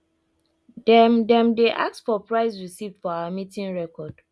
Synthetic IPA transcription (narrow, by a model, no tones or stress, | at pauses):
dɛmdɛ̃mdeʔa̰k̚tfɔpɹaɪs̬ɹisivd̥fɔawamitĩŋɹɛkɔd̥